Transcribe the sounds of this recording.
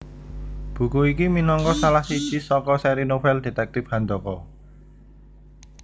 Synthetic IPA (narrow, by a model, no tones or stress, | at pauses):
b̥ṳkuikiminɔŋkɔsalahsid̥ʒ̥i̤sɔkɔsɛɾinobɛlde̤t̪ɛk̚t̪ɪfhand̪ɔkɔ